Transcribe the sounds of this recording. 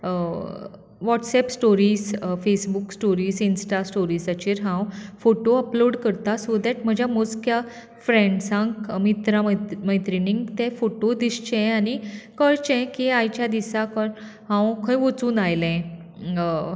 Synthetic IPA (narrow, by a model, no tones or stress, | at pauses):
ʋɔʈsɛpsʈoɾiːsfesbuksʈoɾiːsinsʈasʈoɾisat͡ɕiɾɦãwfoʈoəploɽkəɾt̪asod̪ɛʈm̤əd͡ʑʱjamoskja | fɾẽɳɖsãŋkəmit̪ɾamməjt̪ɾinĩŋɡt̪ɛ̃foʈod̪ist͡ɕɛ̃anikəɾt͡ɕɛ̃kiajt͡ɕjad̪isakənɦãwkʰə̃jʋot͡suːnajlɛ̃